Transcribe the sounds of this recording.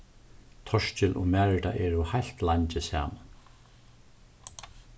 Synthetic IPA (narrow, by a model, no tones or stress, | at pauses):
t̪ʰɔʂt͡ʃɪlʔɔ̰mæːɹɪʈa̰ʔɛːɹʊhajl̥t̪laɲt͡ʃɪsa̰ːman